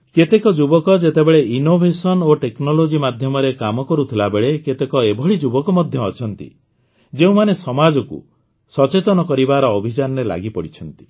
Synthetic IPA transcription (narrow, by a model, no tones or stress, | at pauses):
ket̪ekɔd͡ʒubɔkɔd͡ʒet̪ebeɭeinobʱesɔnoʈeknɔlod͡ʒimad̪ʱjɔmɔɾekamɔkɔɾut̪ʰilabeɭeket̪ekɔebʱɔɭid͡ʒubɔkɔmɔd̪ʱjɔːt͡ʃʰɔnt̪ḭ | d͡ʒeũmanesɔmad͡ʒɔkṵ | sɔt͡ʃet̪ɔnɔkɔɾibaɾɔːbʱid͡ʒanɔɾela̰ɡipɔɽit͡ʃʰɔnt̪i̥